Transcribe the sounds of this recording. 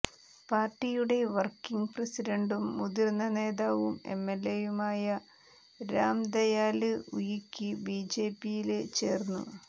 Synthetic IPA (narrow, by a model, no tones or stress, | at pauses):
paːrʈːijuɽe̞ʋɐrkiŋɡpresiɾɐɳɖumːuðiɾnːɐne̞ːðaːʋume̞̰mːelːe̞jumaːjɐ | ɾaːmd̪ɐjaːlɨujikʲːibiːd͡ʑe̞ːpːijilt͡ɕe̞ːrnːṵ